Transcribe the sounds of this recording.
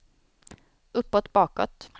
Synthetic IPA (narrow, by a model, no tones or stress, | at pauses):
ɵpːɔt̪bɑːkɔ̰t̪